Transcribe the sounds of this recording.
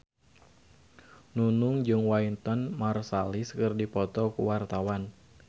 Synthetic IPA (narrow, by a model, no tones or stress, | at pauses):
nunʊŋd͡ʒɨŋwaint̪ɔnmarsaliskərdipɔt̪ɔkṵwart̪awan